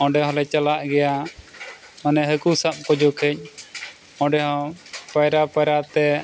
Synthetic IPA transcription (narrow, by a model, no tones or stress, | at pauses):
ɔ̃ɖɛɦɔ̃lɛt͡ʃalaʔɡɛja | manɛɦəkusap̚kɔd͡ʒɔkʰɛc̚ˀ | ɔ̃ɖɛɦɔ̃pajɾapəjɾat̪ɛ